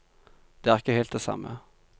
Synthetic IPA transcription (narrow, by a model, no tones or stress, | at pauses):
d̪̥eːæʁɪkəheːlt̪̚d̪esɑ̰mə̰